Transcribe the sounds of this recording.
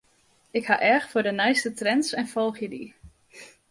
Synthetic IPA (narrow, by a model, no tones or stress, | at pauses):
ɪkhaʔɛrxfʊdənɛjstətrɛnsɛnfolˠxjədḭ